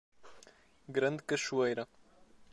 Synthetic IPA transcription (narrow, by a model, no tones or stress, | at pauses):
ɡɾɐnd̪kəʃuejɾɐ